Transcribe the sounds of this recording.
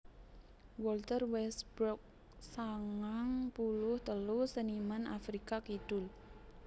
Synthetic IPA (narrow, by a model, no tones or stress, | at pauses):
wɔlt̪ərwɛsb̥ɾɔk̚ | saŋaŋpulʊht̪əlʊsənimanʔa̰fɾikakid̪̥ʊl